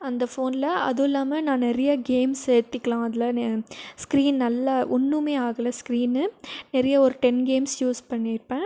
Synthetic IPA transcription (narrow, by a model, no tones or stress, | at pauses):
ɐnd̪ɐfoːnɪlɐɐ̰ðɯɪlːaːmɐnãːnɛɾɐjɐɡeːmsejɾt̪ːɯkːɐlãːɐðɪlɐskɾiːnnɐlːɐʔɔɳːɯmeːaːɣɐlẽskɪɾiːnːɯnɛɾɐjɐɔɾɯʈɛnɡeːmsjuːspɐɳːɪɾɯpːẽː